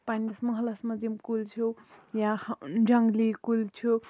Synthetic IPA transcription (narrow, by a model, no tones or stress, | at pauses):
panʌsmʌɦlasmʌd͡zimkult͡sʰujad͡zʌŋɡlikult͡sʰu